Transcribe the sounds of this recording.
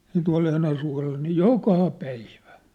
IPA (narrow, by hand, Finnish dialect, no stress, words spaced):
jɑ̝ tuɑ̝l enæsuɑ̝lːɑ niː jokɑˑ pæiʋæ